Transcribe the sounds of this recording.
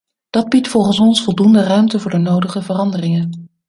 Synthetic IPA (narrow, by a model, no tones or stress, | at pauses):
d̥ɑd̚bitfɔlˠχənsɔnsfɔlˠdundərœɥmtəvʊːɹdənowdəχəvərɑndərɪŋən